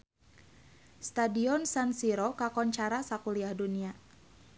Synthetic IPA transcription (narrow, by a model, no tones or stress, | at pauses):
st̪adiɔnsansiɾɔkakɔɲt͡ʃaɾasakuliahdunia